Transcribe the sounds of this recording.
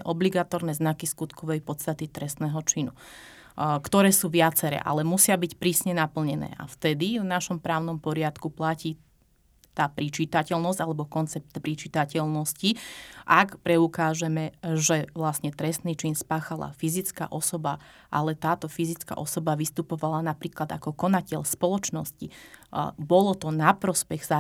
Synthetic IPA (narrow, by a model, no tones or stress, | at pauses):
ɛʔɔbliɡat̪ɔɾnɛːznakiskut̪kɔʋɛjpɔt̪st̪at̪it̪ɾɛst̪nɛːɦɔt͡ʃinu | kt̪ɔɾɛːsuːʋɪat͡sɛɾɛ̰ːʔa̰lɛmusɪabicpɾiːsɲɛnapl̩ɲɛnɛ̰ːʔa̰ft̪ɛd̪ivnaʃɔmpɾaːʊnɔmpɔɾɪat̪kuplaciː | t̪aːpɾit͡ʃit̪acɛlnɔzɟ̥alɛbɔkɔnt͡sɛp̚t̪pɾit͡ʃit̪acɛʎnɔsciʔakpɾɛukaːʒɛmɛʒɛʋlasɲɛt̪ɾɛst̪nit͡ʃinspaːxala̰fizit͡ska̰ʔɔsɔba | ʔalɛt̪aːt̪ɔfizit͡ska̰ʔɔsɔbaʋist̪upɔʋalanapɾiːklad̪akɔkɔnacɛʎspɔlɔt͡ʃnɔsci | bɔlɔt̪ɔnapɾɔspɛɣza